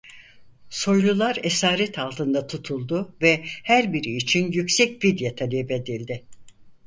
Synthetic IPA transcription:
so̞jlˠulˠaɾesaːɾɛt̪ʰalˠt̪ʰɯnd̪at̪ʰut̪ʰulˠd̪ʊvɛhæɾbiɾiːt͡ʃʰinjycsɛc̚vid̪jat̪ʰalʲebed̪ilʲd̪ɪ

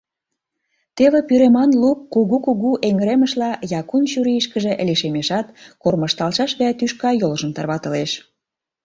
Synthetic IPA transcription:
t̪eβĕpyɾemɑnlup̚kuɣukuɣuʔeŋəɾeməʃlɑjɑkunʃyɾiiʃkəʒĕʔliʃemeʃɑt̪korməʃt̪ɑlʃɑʃβɑt̪yʃkɑjolʒə̆mt̪ɑrβɑt̪ə̆leʃ

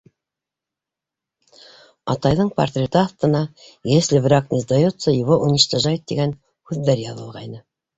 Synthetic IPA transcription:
ɑ̰t̪ɑjðɤɴpɐ̰rt̪ɾʲet̪əɑθt̪ɤ̆nɑjeslɪvrɑknʲezd̪ɑjot̪səjowoʔunʲə̆ʃt̪ɑʒɑjt̪̚d̪ḛɡʲæn | hʉðːæɾjɑðɤ̆lˠʁɑjnə

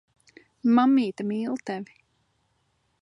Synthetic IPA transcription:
mamːiːt̪amiːlˠt̪ɛvi

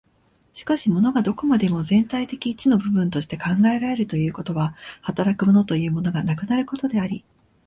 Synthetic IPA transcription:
ɕi̥kaɕimo̞no̞ɡad̪o̞ko̞mad̪e̞mo̞zẽ̞nt̪ait̪e̞kʲiːt͡ɕino̞bɯ̟bɯ̟̃nt̪o̞ɕi̥t̪e̞kãŋɡae̞ɾaɾe̞ɾɯ̟t̪o̞jɯ̟ːko̞t̪o̞βahat̪aɾakɯ̟mo̞no̞t̪o̞jɯ̟ːmo̞no̞ɡanakɯ̟naɾɯ̟ko̞t̪o̞d̪e̞aɾʲi

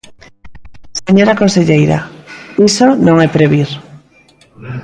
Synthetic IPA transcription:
seɲoɾakonseʎejɾa̰isonõŋɛpɾeβiɾ

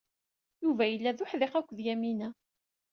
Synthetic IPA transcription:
juvæjəlːæðʊħðeqækʷːðjæminæ

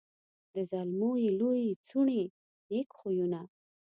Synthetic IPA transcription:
d̪əzalmojelojet͡suɳe | nekxojuna

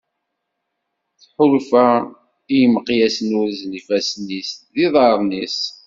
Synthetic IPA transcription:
θħʊlfæ | ijəməqjæsənʊɾznifæsnisðiðˤɑɾˤnis

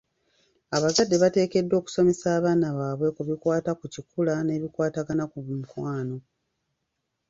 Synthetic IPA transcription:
aβazadːe̞βate̞ːke̞dːo̞ːku̥so̞me̞saːβaːnaβaːβwe̞kuβikwaːtakucikulane̞ːβikwaːtaɡanakumukwaːno̞

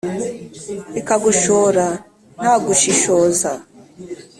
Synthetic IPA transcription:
ikaɡuʃoɾa | n̥haːɡuʃiʃoːza

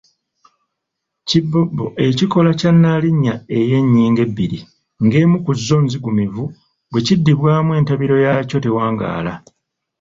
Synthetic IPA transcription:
cibːobːo̞ʔe̞ciko̞lacanːaliɲːae̞je̞ɲːiːŋɡe̞bːiɾi | ŋɡe̞ːmukuzːo̞nziɡumivu | bwe̞cidːiβwaːmwe̞ːntaβiɾo̞jaco̞te̞waːŋɡa̰ːla

